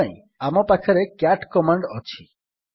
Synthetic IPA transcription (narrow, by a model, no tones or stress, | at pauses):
ĩ | amɔpakʰɔɾekaʈkɔmaɳɖɔt͡ʃʰi